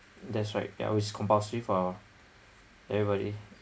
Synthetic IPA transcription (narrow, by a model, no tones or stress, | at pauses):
dɛtsɹaɪt̚ja̰wit͡ʃskʰɔ̃mpastɹifɔ | ɛvɹibɔɾḭ